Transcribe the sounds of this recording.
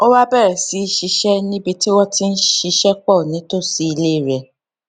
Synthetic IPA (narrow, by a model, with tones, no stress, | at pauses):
o˦wa˦bɛ˦˨ɾɛ˨si˨˦˧ʃi˧ʃɛ˦nĩ˦bi˧ti˦wɔ˦ti˦n̩˦ʃi˧ʃɛ˦k͡pɔ˦˨nĩ˨˦to˦˨si˧˦i˧le˦i˦˨ɾɛ˨